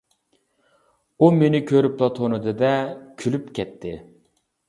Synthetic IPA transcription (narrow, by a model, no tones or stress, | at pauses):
umenɪkʲʰøɾyp̚d̪ɑt̪ʰonɨd̪ɨd̪ɛkʲʰylypkʲʰɛt̪ʰːɪ